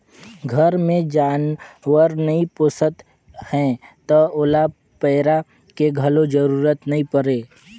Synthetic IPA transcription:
ɡʱɐɾmẽd͡ʒaːnwəɾnɐĩpʊsət̪ | hɛ̃t̪ɔʊla | pɛːɾa | keɡʱɐlod͡ʒəɾuːɾət̪nɐɦĩpəɾeː

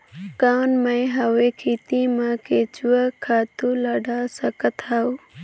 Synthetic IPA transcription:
kaːnmãɦawekʰiːt̪imãkeːt͡ʃuəkʰaːt̪ũləɖʱaːsəkət̪ʰau

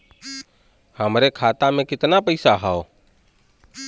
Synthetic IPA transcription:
həmɾekʰaːt̪amẽːkɪt̪napəɪsaɦaoː

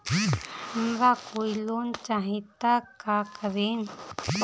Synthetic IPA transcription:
mbakujlont͡ʃaɦit̪akakβin

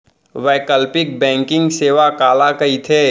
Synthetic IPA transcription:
ʋɛːkəlpɪk̚bɛ̃ːŋkɪ̃ŋɡseːʋakaːlakɐit̪ʰeː

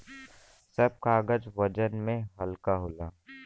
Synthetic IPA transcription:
səb̚kaːɡəd͡ʒʋəd͡ʒənmẽɦəlkaɦoːlaː

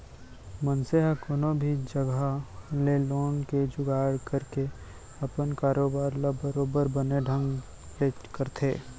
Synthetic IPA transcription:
mənseɦakoːnobʱid͡ʒəɡaleloːnked͡ʒʊɡaːɽkəɾke | ɐpənkaːɾoːbaːɾlabəɾoːbəɾbəneɖʱə̃ŋɡ | leːkəɾt̪ʰḛː

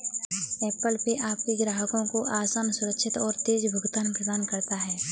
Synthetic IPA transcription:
ɛːpəlpeʔaːp̚kiɡɾaːɦəkõkoʔaːsaːnsʊɾəkʃʰɪt̪ɔːɾt̪eːd͡ʒbʱʊɡt̪aːnpɾəd̪aːnkɐɾt̪aɦɛː

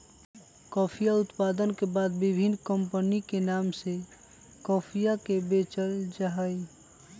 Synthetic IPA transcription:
kɔpʰijaʊt̪pad̪ənkebad̪bibʱinːkəmpənikenamse | kɔpʰijakebet͡ʃəld͡ʒaɦəj

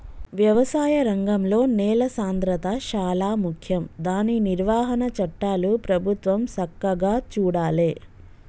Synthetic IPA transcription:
ʋjɐʋɐsaːjɐɾɐŋɡɐmlo̞ːnɛːlɐsaːnd̪ɾɐt̪ɐʃaːlaːmukʰjɐmd̪aːniniɾʋaːɦɐnɐt͡ʃɐʈːaːlupɾɐbʱut̪ʋɐmsɐkːɐɡaːt͡ʃuːɽaːleː

